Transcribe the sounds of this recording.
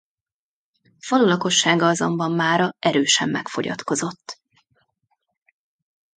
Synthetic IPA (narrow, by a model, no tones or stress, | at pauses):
fɒlulɒko̞ʃːaːɡɒɒzo̰mbɒmːaːɾɒʔɛɾøːʃɛmːɛkfo̞̰ɟɒ̰t̪ko̞zo̞t̪ː